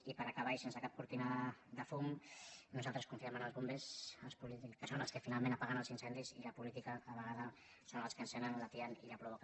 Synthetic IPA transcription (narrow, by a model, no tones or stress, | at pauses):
ipəɾakaβ̞ajsensəkap̚kuɾt̪inaðəfumnuzalˠt̪ɾəskuɱfiamənəlˠzβumbesəlˠspulikəsonəlˠskəfinalmẽnapaɣənəlˠzinsɛnd̪izḭləpulit̪ikaaβəɣaðə | sonəlˠskənsɛnənlat̪iənilapɾuβok